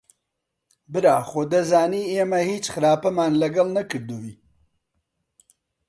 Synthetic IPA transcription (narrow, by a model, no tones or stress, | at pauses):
bɨɾaːxoːd̪ɐzaːniːeːmɐhiːt͡ʃxɨɾaːpɐmaːnlɐɡɐlˠnɐkɨɾd̪uwi